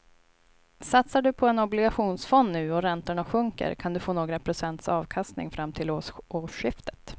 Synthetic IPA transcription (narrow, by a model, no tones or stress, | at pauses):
sat̪saɖɵpʰɔɛnɔblɪɡaɧuːnsfɔnːʉ̟ːɔɾɛnt̪əɳaɧɵŋkə̰ɾkʰand̪ɵfoːnoːɡɾapʰɾʊsɛnt̪sɑːvkʰast̪nɪ̰ŋfɾamːt̪ʰɪlooɕɪft̪ə̥t̪